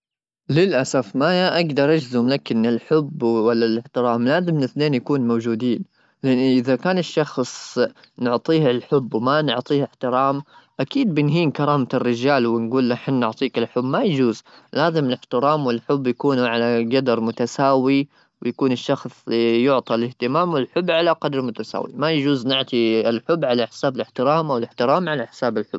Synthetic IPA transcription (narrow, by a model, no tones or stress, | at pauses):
lɪlʔasafmaʔaɡd̪ɑɾˤʔad͡ʒzʊmlakʔɪnːɪlħʊbwalːalɪħt̪ɪɾɑːmlaːzɪmnɪθneːnjakuːnmowd͡ʒuːd̪iːn | lɪʔɪnːʔɪðakaːnɪʃːɑxsˤ | nʊʕt̪ˤiːhɪlħʊbːwmanʊʕt̪ˤiːhɪħt̪ɪɾɑːmʔakiːd̪̚bɪnɦiːnkɑɾˤɑːmaɪrːɪd͡ʒaːlwɪnɡuːlːaħnːʊʕt̪ˤiːkɪlħʊbːmajd͡ʒuːzlaːzɪmɪlɪħt̪ɪɾɑːmwɪlħʊbːjakuːnʕalaɡad̪ɑɾˤmʊt̪asaːwi | wɪjakuːnɪʃːɑxsˤjʊʕt̪ˤilɪht̪ɪmaːmwɪlħʊbːʕalaqɑd̪ɾˤmʊt̪asa̰ːwḭmajad͡ʒuːznɪʕt̪ˤiɪlħʊbːʕalaħɪ̥saːbɪlɪħt̪ɪɾɑːmʔawɪlɪht̪ɪɾɑːmʕalaħɪ̥saːbɪlħʊ̰bː